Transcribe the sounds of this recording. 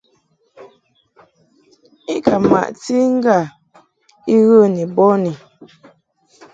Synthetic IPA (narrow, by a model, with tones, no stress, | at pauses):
i˦kʰa˨ma̰˨ʔti˦ŋ̩˦ɡa˦˨ | i˦ɣə˦˨ni˨bɔ˦ni˨